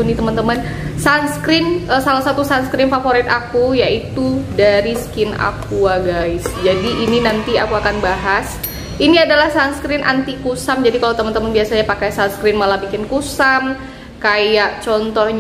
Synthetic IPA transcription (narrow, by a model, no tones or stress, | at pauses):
unit̪əmənt̪əmən | sanskɾɪnəsalasat̪usanskɾɪnfafoɾɪt̪akujaʔit̪udaɾiskɪna̰kuaɡaɪsd͡ʒadiʔːninant̪ia̰kuakanbaɦas | iniadalahsanskɾɪnʔa̰nt̪ikusamd͡ʒadikalawt̪əmənt̪əmənbiasaɲapakajsanskɾɪnmalabikɪnkusam | kajaʔt͡ʃɔnt̪ɔhɲ